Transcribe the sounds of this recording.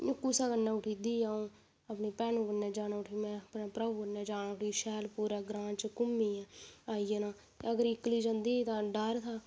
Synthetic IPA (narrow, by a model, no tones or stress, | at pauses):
jʊkːuːsaːkənːãːʊʈʰiːd̪iːaːõː | əpniːpɛːnũːkənːeːd͡ʒaːnaːʊʈʰiːmɛ̃ːpnaːpɾaukənːaːd͡ʒaːnaːʊʈʰiːʃɛːlpuːɾaːɡɾãːt͡ʃkʊmːiːaːijeːnaːt̪eəɡəɾɪkːliːd͡ʒənd̪iːt̪ãːɖəɾt̪ʰaː